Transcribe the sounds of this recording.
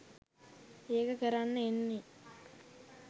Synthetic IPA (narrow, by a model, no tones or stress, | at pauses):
eːkəkəɾanːəenːe